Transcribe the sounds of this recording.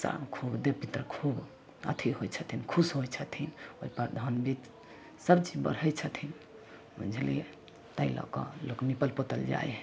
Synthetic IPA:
sa̰kʰubd̪epit̪ɾəkʰub | ə̰t̪ʰiɦojt͡ʃʰət̪ʰinkʰusɦojt͡ʃʰət̪ʰinoipəɾd̪ʱənbit̪ | səbt͡ʃibə̰ɾ̤əjt͡ʃʰət̪ʰin | ṵ̃d͡ʒʱlḛ | t̪əilɔ̰kɔ̰loknipəlpot̪əld͡ʒa̰j

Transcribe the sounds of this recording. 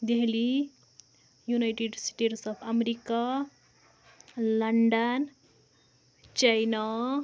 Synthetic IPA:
d̪eɦli | junajʈeɖsʈeʈsʌpʰameɾika | laɳɖan | t͡ʃajna

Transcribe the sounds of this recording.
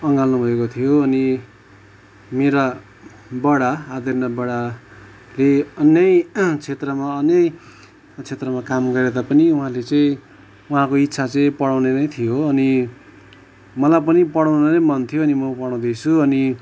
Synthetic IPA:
ʌŋɡalnubʱʌekot̪ʰijoʌni | meɾa | bʌɽaːd̪ʌrnʌbʌɽa | leʌnjʌjt͡sʰet̪rʌmaʌnjʌj | t͡sʰet̪rʌmakamɡʌɾed̪apʌniuɦãlet͡sʌĩ | uɦãkoit̪ːsʰat͡sʌĩpʌɽawnenʌjt̪ʰijoʌni | mʌlajpʌnipʌɽaw̃nʌnʌmʌnt̪ʰijoʌnimʌpʌɽaw̃d̪it͡sʰuʌni

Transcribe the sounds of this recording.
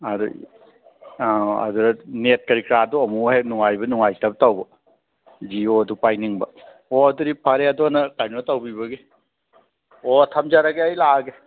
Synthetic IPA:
adṵ | aɐ̰duɾɐnet̚kɐɾikɾaduɔmuhenuŋajbɐnuŋajtab̚tawbɔ | d͡ʒiodupajniŋbɐ | ɔɐduɾipʰaɾeadɔnɐkaɾnɔtawbibɐɡe | ɔtʰamd͡ʒaɾaɡeajlaɡe

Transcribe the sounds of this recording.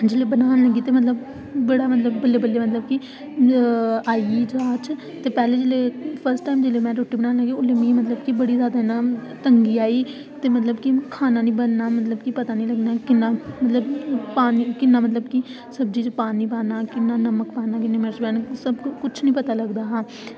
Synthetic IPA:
d͡ʒeːleːbənaːnləɡiːt̪eːmət̪ləb | bəɽaːmət̪ləbːəlːeːbəlːeːmət̪̬ləb̚ki | aːid͡ʒaːt͡ʃ | t̪eːpɛːleːd͡ʒeːleːpʰəɾsʈaːimd͡ʒeːleːmɛ̃ːɾoːʈːiːbənaːnləɡiːʊlemĩːmət̪ləbkibəɽiːzjaːd̪aːenãːt̪əŋɡiːaːiː | t̪eːmət̪ləbkikʰaːnãːnĩːbənnaːmət̪ləbkipət̪aːnĩːləɡnaːkɪnːãːmət̪ləbpaːnikɪnːaːmət̪ləbkɪ | səbd͡ʒiːt͡ʃpaːniːpaːnaːkɪnːaːnəməkpaːnaːkɪnːẽmɪd͡ʒbɛːnsəbkʊt͡ʃʰnəĩːpət̪aːləɡd̪aːɦãː

